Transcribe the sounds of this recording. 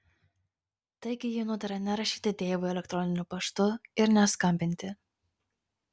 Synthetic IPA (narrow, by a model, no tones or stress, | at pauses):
t̪ɐɪɡʲɪjɪnʊd̪ɐɾɐnʲɛɾɐʃʲiːt̪ʲɪt̪ʲeːʋʊɛlʲɛkt̪ɾɔnʲɪnʲʊpɐʃt̪ʊɪɾnʲɛskɐmʲbʲɪnʲt̪ʲɪ